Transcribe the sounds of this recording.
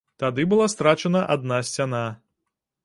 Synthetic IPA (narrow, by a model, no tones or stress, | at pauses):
t̪ad̪ɨbɨlˠast̪ɾat͡ʂɐnɐʔad̪̚nasʲt͡sʲana